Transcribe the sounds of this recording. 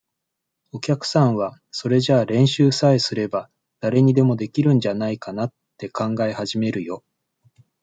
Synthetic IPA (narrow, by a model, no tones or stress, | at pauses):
o̞kʲakɯ̟̥sãɰ̃βaso̞ɾe̞ʑaːɾẽ̞ɰ̃ɕɨːsaesɨɾe̞ba | d̪̥aɾe̞ɲ̟id̪e̞mo̞d̪e̞kʲiɾɯ̟̃ɲ̟d͡ʑanaikanat̪ːe̞kʰãŋɡaehaʑime̞ɾɯ̟jo̞